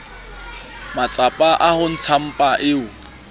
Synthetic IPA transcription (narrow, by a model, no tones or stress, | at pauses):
mat͡sʼapʼaʔahʊn̩t͡sʰam̩pʼaʔɪːʊ